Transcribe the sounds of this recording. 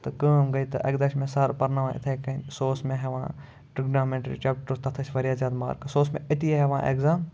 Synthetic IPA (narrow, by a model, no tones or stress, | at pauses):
t̪ɐkəːmɡɐit̪ɐ̰ʔɐ̰ɡd̪ɐʃmẽsɐɾpɐɾnɐʋãːɪ̰t̪ʰeːkɐnsoːsmẽɦeʋã̰ː | ʈɾiɡnaːmẽɳʈɐɾḭːt͡ʃeːk̚ʈəɾt̪ɐt̪ʰɐsʲʋɐɾijaːzjaːd̪ma̰ːɾkɐsoːsmḛ̃ɐt̪iɦeʋãːʔḛːkzaːm